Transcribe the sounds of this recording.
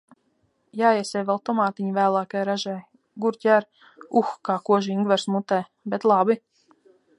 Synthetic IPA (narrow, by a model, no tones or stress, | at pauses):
jaːiɛsʲɛjvɛlˠt̪ɔmaːt̪iɲivæːlˠaːkajɾaʒɛj | ɡuɾcʲæɾ | uxkaːkuɔʒiŋɡvɛɾsmut̪ɛj | bet̪lˠabi